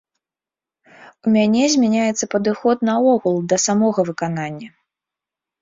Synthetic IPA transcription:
umʲanʲɛzʲmʲanʲajɛt̪sːɐpɐd̪ɨxɔt̪̚nɐɔɣulˠd̪ɐsamɔɣɐvɨkananʲːɐ

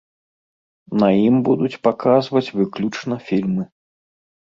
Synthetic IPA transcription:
nɐjimbud̪ut͡sʲpakazvɐt͡sʲvɨklʲut͡ʂnɐfʲilʲmɨ

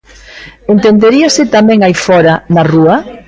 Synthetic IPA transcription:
ent̪end̪eɾiosɪt̪amɛ̃ŋajfɔɾɐnɐruɐ

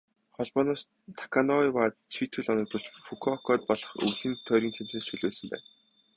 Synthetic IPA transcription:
χɔɮpɔːnɔːs | t̪ʰḁkʰanɔiwaːt̪̚t͡ɕʰiːt̪xɘ̆ɮɔnɞ̆k̚t̪ɞ̆ɬt͡ɕfukʰɔkʰɔːt̪̚pɔɮ̥ɞ̆χṵɮĭnt̪ʰœːɾʲiːnt̪ʰem̥t̪rĕːsʃʰɵɮoːɮsɵ̆mpæ̰ːn

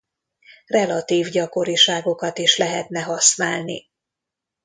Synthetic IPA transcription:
rɛlɒt̪iːvɟɒko̞ɾiʃaːɡo̞kɒt̪iʃlɛɦɛt̪nɛɦɒsnaːlnḭ

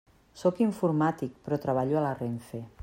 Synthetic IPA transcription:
sokiɱfuɾmat̪ik̚pɾɔt̪ɾaβ̞aʎualareɱfe

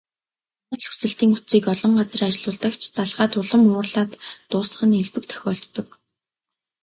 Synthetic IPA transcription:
nə̆ɮxu̥sɘ̆ɬt̪iːŋut͡siːkɔɮɞ̆ɴɢat͡sə̆rat͡ɕɪɮʊːɮt̪ə̆kt͡ɕʰt͡saɮʁaːt̪ʊɮə̆mʊːrɮaːt̪ːʊːs̆χə̆neɮpɘ̆k̚t̪ʰœ̥xʲɔːɬt̪ːɞ̆k

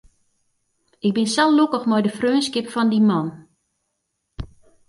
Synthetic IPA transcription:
ɪk̚bɪnsɛllukəxmɔjdəfrøːnskɪpfɔndimɔn

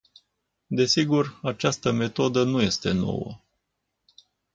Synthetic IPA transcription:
d̪e̞siɡurat͡ʃast̪əme̞t̪o̞d̪ənuje̞st̪e̞no̞̰wə̰

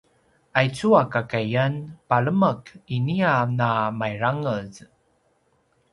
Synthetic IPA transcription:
ajt͡suakakajanpaɭəməkinianamajɾaŋəz

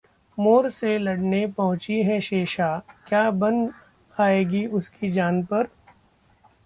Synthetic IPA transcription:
moːɾselɐɽnepɐɦʊ̃t͡ʃiɦɛ̃ʃeːʃaːkjaːbɐ̃n | aːeːɡiʊskid͡ʒaːnpɐɾ

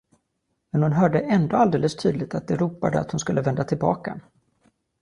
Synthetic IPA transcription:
mɛnhʊnɦœːɖəʔɛnd̪oːald̪eːləst̪ʰy̰ːd̪lɪt̪at̪̚d̪ɛɾuːpad̪əa̰t̪hʊnskɵlːəvɛnd̪at̪ʰɪlbɑ̰ːka

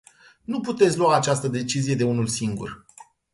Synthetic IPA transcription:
nuput̪et̪sʲluaːt͡ʃast̪əd̪e̞t͡ʃizije̞d̪e̞unulsiŋɡṵr

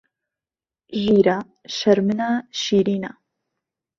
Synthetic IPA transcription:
ɣiːɾa | ʃɐɾmɨnaʃiːɾiːna

